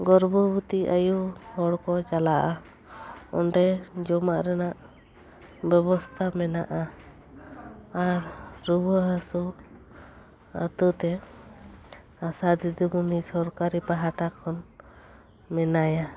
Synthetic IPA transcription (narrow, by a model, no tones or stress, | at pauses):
ɡɔɾbɔbut̪iajuhɔɽkɔt͡ʃalaʔa | ɔ̰ɳɖɛd͡ʒɔmaʔɾɛnaʔ | bɛbɔst̪ʰamɛna̰ʔa | aɾːubəɦasu | ə̰t̪ət̪ɛ | asad̪id̪əmunisɔɾkaɾipaɦaʈakʰɔn | mɛnaja